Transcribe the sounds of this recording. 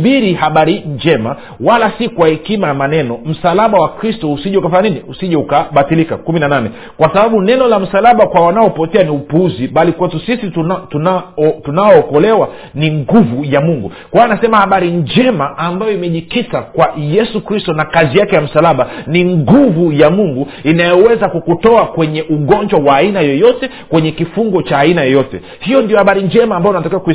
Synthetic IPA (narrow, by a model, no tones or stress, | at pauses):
ɓiɾihaɓaɾiɲd͡ʒɛma | walasikwahɛkimajamanɛnɔm̩salaɓawakɾistɔusiʄɛukafaɲaniniusiʄɛukaɓatilika̰kuminananɛ | kwasaɓaɓunɛnɔlam̩salaɓakwawanaɔpɔtɛaniupuuziɓalikwatusisittunatunaɔːkɔlɛwa | niŋɡuvujamuŋɡu | kwaanasɛmahaɓaɾiɲd͡ʒɛmaʔambajɔimɛʄikitakwajɛsukɾistɔnakazijakɛjam̩salaɓaniŋɡuvujamuŋɡu | inajɔwɛzakukutɔakwɛɲɛʔuɠɔɲd͡ʒwawaːinajɔjɔtɛ | kwɛɲɛkifuŋɡɔt͡ʃaːinajɔjɔtɛ̰ | hijɔndijɔhaɓaɾiɲd͡ʒɛmaːmbajɔnatakiwaku